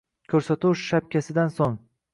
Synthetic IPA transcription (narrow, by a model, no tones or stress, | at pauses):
kʲʰɵɾsat̪ʰuwʃʃap̚kʲʰasɪd̪ansoŋ